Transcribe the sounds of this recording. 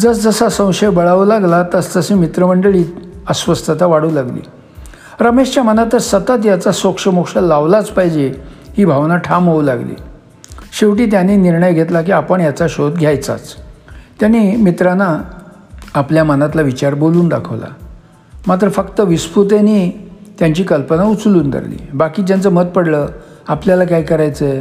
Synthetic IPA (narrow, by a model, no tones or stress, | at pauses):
d͡zəsd͡zəsasə̃w̃ɕəjbəɭaʋlaɡlat̪əst̪əsimit̪ɾəməɳɖəɭiːəsʋəst̪ʰət̪aʋaɽuːlaɡlḭː | ɾəmeʂt͡ɕjamənat̪əɾsət̪ət̪̬jat͡sasokʂəmokʂəlaʋlat͡spaɦid͡ʑehiːbʱaʋnaʈʰamɦoʋlaɡlḭː | ɕeʋʈ̬iːt̪̬janiːniɾɳəjɡʱet̪lak̬iːapəɳjat͡saɕod̪ɡʱjajt͡sa̰t͡st̪janiːmit̪ɾanaː | pljamənat̪̬laʋit͡ɕaɾboluːnd̪a̰kʰəʋla̰ | mat̪̬ɾəfəkt̪əʋisput̪̬eniːt̪jaɲt͡ɕiːkəlpənaut͡sluːnd̪ə̰ɾlḭːbakiːt̪̬jant͡səmət̪̚pəɽlə | apljalakajkəɾajt͡sə